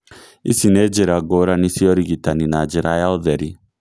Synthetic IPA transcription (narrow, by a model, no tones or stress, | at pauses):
isinɛd͡ʒɛɾaɡɔɾanisiɔɾiɡitaninad͡ʒɛɾajalðɛɾi